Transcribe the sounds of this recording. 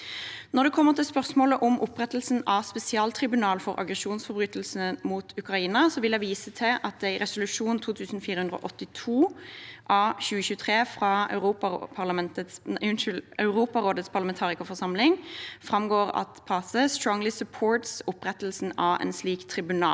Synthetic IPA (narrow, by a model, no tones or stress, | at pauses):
nɔʁd̪ɛkʰɔmːəʁt̪ɪlspœʁsmoːləʔɔmʔʊpʁɛt̪əl̩sn̩ɑspɛsɪɑːlt̪ʰʁɪbʉnɑːlfɔʁʔɑ̰ɡʁɛʃuːnsfɔʁbʁyːt̪əl̩smuːt̪ʰʉkʁɑiːnɑsɔʋɪldɛɪʋiːsət̪ʰɪʔɑt̪̚æɪʁɛsʊlʉʂuːnt̪ʰuːt̪ʰʉːsn̩fiːɾəhʉnd̪ɾo̰ːʔɔt̪ːɪt̪ʰuːʔɑçʉːəçʉːt̪ʰʁeːfʁɑœ̰ʉʁuːpɑpʰɑʁlɑmɛnt̪ətsʉnʏlœʉʁuːpɑʁoːd̪ət̪spʰɑlɑmɛnt̪ʰɑːʁɪkɑfɔʁsɑmlɪŋfʁɑmɡoːʁɑ̰t̪pʰɑsəst̪ɾɔŋlɪsʉpʰoːɹt̪sʊpːʁɛt̪əl̩sn̩ɑʋɛ̰nsliːkt̪ʰʁɪbʉnɑ̰ː